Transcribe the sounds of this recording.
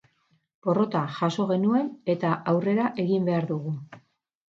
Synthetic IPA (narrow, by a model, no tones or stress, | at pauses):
po̞ro̞t̪aʝaso̞ɣ̞e̞nue̞ne̞t̪aʔawre̞ɾaʔe̞ɣimbe̞aɾðuɣu